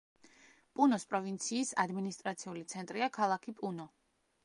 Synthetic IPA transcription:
pʼunɔspʼɾɔvint̪sʰiːsad̪minist̪ʼɾat̪sʰiulit̪sʰɛnt̪ʼɾiakʰalˠakʰipʼunɔ

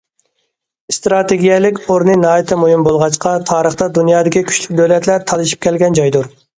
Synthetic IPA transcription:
st̪ɾɑt̪eɡʲijɛlɪkʲoɾnɨnɑːjit̪ʰɪmojimbolˠʁɑt͡ʃqʰɑt̪ʰɑːɾəχt̪ɑd̪unjɑːd̪ɪkʲikʲʰy̥t͡ʃʲlykʲd̪ølɛt̪ʰlæɾt̪ʰɑlˠɨʃi̥p̚kʲɛlɡʲɛnd͡ʒɑjd̪uɾ

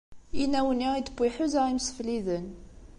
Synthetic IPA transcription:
inæwəniʁid̪əbiħuzaimsfliðən

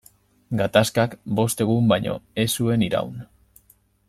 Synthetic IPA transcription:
ɡat̪askakbo̞st̪e̞ɣ̞umbajɲo̞̰e̞sue̞niɾa̰wn

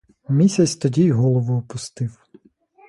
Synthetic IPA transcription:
mʲisʲɐt͡sʲt̪ɔdʲijɦɔlˠɔʋʊːpʊst̪ɪw

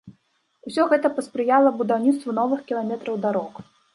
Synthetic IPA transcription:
usʲɔɣɛt̪ɐpɐspɾɨjalˠɐbud̪awnʲit̪st̪vunɔvɨxkʲilˠamʲɛt̪ɾɐwd̪aɾɔk

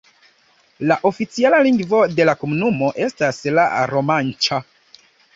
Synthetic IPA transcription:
laʔo̞fit͡sialaliŋɡvo̞de̞lakomunumo̞ʔe̞staslaɾo̞mant͡ʃa

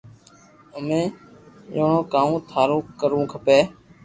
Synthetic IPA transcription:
əmẽːjoːɳõːkaːũːt̪ʰaːɾũːkəɾũːkʰəpeː

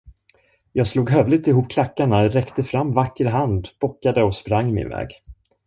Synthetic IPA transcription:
jɑːɡsluːɡɦœvlɪɡ̚t̪ɪɦuːp̚ːkʰlakːaɳaɾɛkt̪əfɾamːvakːəɾɦand̪b̥ɔkːad̪əɔspɾaŋːɪmɪ̰nvɛ̰ːɡ

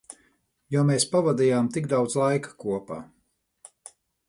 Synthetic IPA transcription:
jɔmeːspavad̪ijaːmt̪iɡd̪awd̪zlˠajkḁkuɔpa̰ː

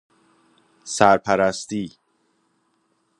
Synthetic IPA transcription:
sæɾpʰæɾæst̪iː

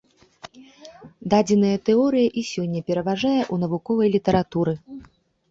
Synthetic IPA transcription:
d̪ad͡zʲɛnɐjɐt̪ɛɔɾɨjɐʔisʲɔnʲːɐpʲɛɾɐvaʐajɛʔun̪ɐvukɔvɐjlʲit̪ɐɾat̪uɾɨ

